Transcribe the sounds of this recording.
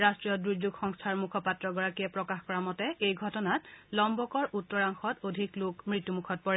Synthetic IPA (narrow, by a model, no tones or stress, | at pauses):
ɹastɹijɔdɹuzuɡxɔŋstʰaɹmukʰɔpatɹɔɡɔɹakijɛpɹɔkaxkɔɹamɔtɛejɡʱɔtɔnatlɔmbɔkɔɹʔutːɔɹaŋxɔtodʱiklʊkmɹitjumukʰɔt̚pɔɹɛ